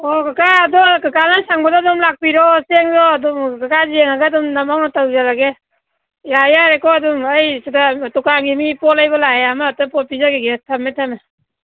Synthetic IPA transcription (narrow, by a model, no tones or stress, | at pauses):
ɔɡakaːdɔkakanasaŋbadɔdɔmlak̚piɾɔseŋzɔdɔmɡakazeŋaɡadumnamawnatawd͡ʒalaɡe | jajaɾekɔadumajsadatukaŋɡimipɔlajbalaeamatapɔt̚pizaɡeɡetʰametʰame